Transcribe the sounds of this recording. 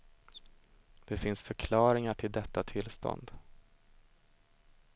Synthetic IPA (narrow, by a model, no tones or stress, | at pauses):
d̪̥ɛfɪnsfœɾkʰlɑːɾɪŋaʈʰɪld̪ɛt̪ːat̪ʰɪlːst̪ɔ̰nd̪